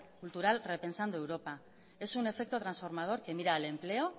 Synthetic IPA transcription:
kult̪uɾalre̞pe̞nsand̪uewɾo̞pa | e̞sune̞fe̞k̚t̪o̞t̪ɾansfo̞ɾmað̞o̞ɾke̞miɾaele̞mple̞o̞

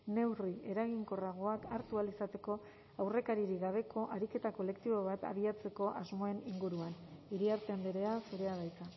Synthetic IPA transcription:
ne̞wrie̞ɾaɣiŋko̞raɣ̞o̞akaɾt̪ualisat̪e̞ko̞ | awre̞kaɾiɾiɣaβ̞e̞ko̞ʔaɾike̞t̪ako̞le̞kt̪iβ̞o̞β̞at̪a̰β̞iat͡se̞ko̞ʔazmo̞e̞niŋɡuɾuaniɾiaɾt̪eambeɾe̞asuɾe̞aɣ̞ajt͡sa

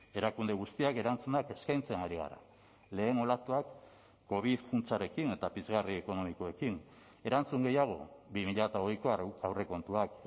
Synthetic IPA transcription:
e̞ɾakund̪e̞ɣ̞ust̪iake̞ɾant͡sunake̞skajnt͡senaɾiɣa̰ɾa̰ | le̞ːno̞lat̪uakː | o̞β̞iðfunt͡saɾe̞kine̞t̪apizɣarieko̞no̞miko̞e̞kin | e̞ɾant͡suŋɡe̞jaɣ̞o̞̰βimiʎat̪aoɣjkoawre̞ko̞nt̪uak

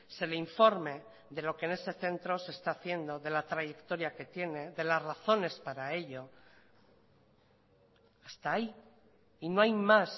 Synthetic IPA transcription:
se̞le̞iɱfo̞ɾme̞ | ðelo̞keːne̞se̞θe̞nt̪ɾo̞se̞ːst̪aːθje̞nd̪o̞ðe̞lat̪ɾaʝe̞kt̪o̞ɾjake̞t̪je̞ne̞ðe̞lazraθo̞ne̞spaɾae̞ʎo̞ | ast̪ai | ino̞ajmas

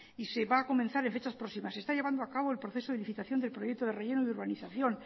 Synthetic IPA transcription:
ise̞βaːko̞mẽn̟θaɾe̞ɱfet͡ʃaspɾo̞simasest̪aʎe̞βand̪oakaβo̞elpɾoθe̞so̞ðeliθit̪aθjo̞nd̪elpɾojek̚t̪oð̞e̞rejenoiðuɾβaniθaθjo̞n

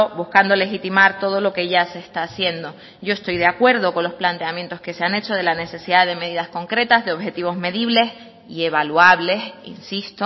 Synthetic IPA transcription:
obuhkand̪o̞le̞xit̪imaɾt̪o̞ð̞o̞lo̞keʝaseːst̪aːsje̞nd̪o̞ | ɟ͡ʝo̞est̪o̞jðeakwe̞ɾðo̞ko̞nlo̞splant̪e̞amjent̪o̞ske̞se̞ane̞t͡ʃo̞ð̞e̞lane̞se̞siðaðe̞meðiðasko̞ŋkɾe̞t̪azðeo̞βxe̞t̪iβ̞o̞zme̞ðiβle̞s | ie̞β̞aluaβle̞sḭnsist̪o

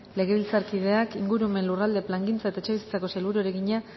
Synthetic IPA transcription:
le̞ɣe̞βilt͡saɾkið̞e̞akiŋɡuɾume̞nlurald̪e̞plaŋɡint͡sae̞t̪aet͡ʃe̞βisi̥t͡sako̞selβuɾueɾe̞ɣiɲa

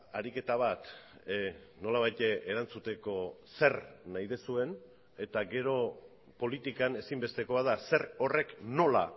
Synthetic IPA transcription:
aɾike̞t̪aβ̞at̪ | no̞laβ̞ajt̪eeɾant͡sut̪e̞ko̞se̞rnajðe̞sue̞n | e̞t̪aɡe̞ɾo̞ | po̞lit̪ikane̞simbe̞st̪e̞ko̞aðase̞ɾo̞re̞kno̞la̰

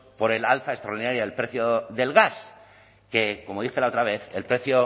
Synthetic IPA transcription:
po̞ɾe̞lalθaest̪ɾaoɾðinaɾjaðe̞lpɾe̞θjoðe̞lɣas | ke̞komo̞ðixe̞lao̞t̪ɾaβ̞e̞θelpɾe̞θjo

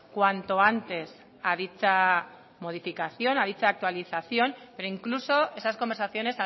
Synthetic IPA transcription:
kwant̪o̞ant̪e̞s | aðit͡ʃa | mo̞ð̞ifikaθjo̞naðit͡ʃaːk̚t̪waliθaθjo̞mpe̞ɾoiŋkluso̞e̞saskombeɾsaθjo̞ne̞sa

